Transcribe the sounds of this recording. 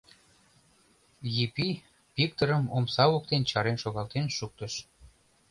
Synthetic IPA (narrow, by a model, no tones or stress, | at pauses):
jipi | pikt̪əɾəmomsɑok̚t̪ent͡ɕɑɾenʃoɣɑlt̪enʃuk̚t̪əʃ